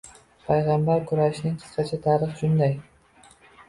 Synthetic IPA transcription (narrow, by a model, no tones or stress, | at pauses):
pʰajʁɑmbaɾkʰʊɾaʃɪnɪŋqʰɨ̥sqɑt͡ʃʰat̪ʰaɾɨχʃʰʊnd̪aj